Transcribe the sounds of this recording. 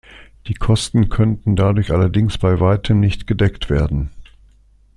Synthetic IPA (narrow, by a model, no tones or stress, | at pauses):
d̥iːkʰɔstn̩kʰœntn̩dadʊɐçʔalɐdɪŋsb̥aɪvaɪtʰəmnɪçtɡ̥ədɛktv̥eːɐdn̩